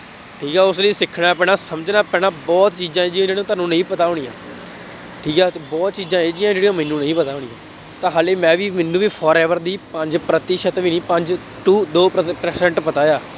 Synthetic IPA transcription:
ʈʰiːkaːʊsleːsɪkʰːɽaːpɛːɽaːsəməd͡ʒnaːpɛːɽaːbɔːt̪t͡ʃiːzãːeːd͡ʒiːãːd͡ʒeːɽĩːt̪aːnũːnəĩːpət̪aːʊːɽ̃ĩːjã̰ː | ʈʰiːkaːt̪eːbɔːt̪̚t͡ʃiːzãːeːd͡ʒijãːd͡ʒeːɽijãːmɛnːũːnəĩːpət̪aːʊɽɪ̃jãː | t̪ãːɦaːleːmɛ̃ːʋiːmɛnːũːʋiːpʰɔːɾɛːʋəɾd̪iːpəɲd͡ʒpɾət̪ɪʃət̪ʋiːnĩːpə̃ɲd͡ʒ | ʈuːd̪oːppɾɛːsɛ̃ɳʈpət̪aːjaː

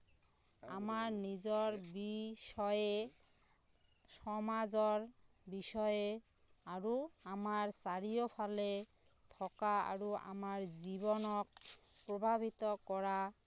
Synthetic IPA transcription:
a̰maɹnizɔɹbiʃɔje | sɔmazɔɹ | bisɔje | aɹuamaɹsaɹijopʰale | t̪ʰɔkaa̰ɹua̰maɹzibɔnɔk̚pɹɔbʱabʱit̪ɔkɔɹa

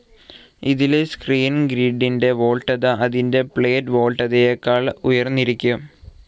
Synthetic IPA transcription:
iðilskriːnɡɾiːɖːinde̞ʋo̞ːɭʈːɐðɨɐðinde̞pɭeːtʋo̞ːɭʈɐðejekːaːɭujɐrnːiɾikʲːu

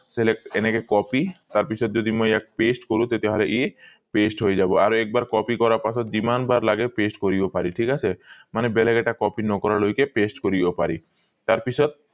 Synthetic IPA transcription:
selekenekekɔpit̪aɾpit͡ɕʰɔt̪̚d͡ʑod̪imojɛk̚pesʈkoɾũt̪et̪eɦoleʔie | pesʈɦojed͡ʑaboa̰ɾoɛk̚baɾkɔpikɔɾaɾpasʰɔt̪̚d̪imanbaɾlaɡepesʈkoɾibopaɾiʈʰikat͡ɕʰemanebeleɡeʈakɔpinɔkɔɾalojkepesʈkoɾibopaɾi | t̪aɾpit͡ɕʰɔt̪̚

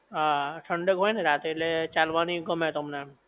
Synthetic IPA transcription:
ɦãsʰəɳɖəkɦoːineɾaːt̪elet͡ʃaːlʋaːniɡəmɦet̪ʊmne

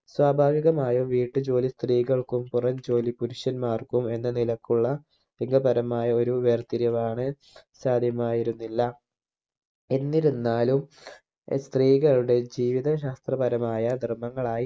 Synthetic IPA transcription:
swaːbʱaːʋiɣɐmaːjumʋiːʈːɨd͡ʑo̞ːlist̪riːɣɐɭkumpurɐɲd͡ʑo̞ːlipuɾuɕjɐnmaːrkume̞nːɐnilɐkːuɭːɐ | liŋɡɐbɐɾɐmaːjɐo̞ɾuʋeːrt̪iɾjɐʋaːɳɨ | saːd̪ʱjɐmaːjiɾunːilːɐ | enːiɾunːaːlum | st̪riːɣɐɭuɽe̞d͡ʑiːʋiðɐɕ̬aːst̪rɐbɐɾɐmaːjɐd̪ʱirmːɐŋːɐɭaːji

